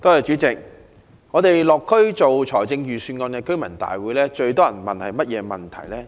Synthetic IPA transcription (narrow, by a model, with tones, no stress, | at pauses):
t̪o˥jɐ˨jt͡ʃyː˨˥t͡sɪ˨k̚ | ŋɔ˨˧t̪e˨jlɔː˨˩kʰːɵ˥ɥt͡so˨wt͡ʃʰɔː˨˩jt͡sɪ˧ŋjyː˨syː˨˧nŋɔː˧nkɛː˧kɵ˥ɥmɐ˨˩nt̪a̰ː˨jwuː˨˥jlɛː˥t͡ʃɵ˧ɥt̪ɔː˥jɐ˨˩nmɐ̰˨nhɐ˨jmɐ˥t̚jɛː˨˧mɐ̰˨˩nt̪ʰɐ̰˨˩jlɛː˥